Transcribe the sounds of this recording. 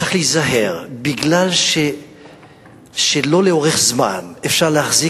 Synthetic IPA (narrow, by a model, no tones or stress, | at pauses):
aχlizaɦeʁbiɡlalʃe | ʃelo̞leo̞ʁeχzma̰nefʃaʁleaχzi